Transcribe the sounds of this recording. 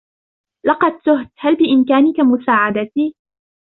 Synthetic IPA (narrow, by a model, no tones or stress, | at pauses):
lɑqɑd̪̚t̪ʊɦt̪halbɪʔɪmkaːnɪkamʊsaːʕad̪at̪iː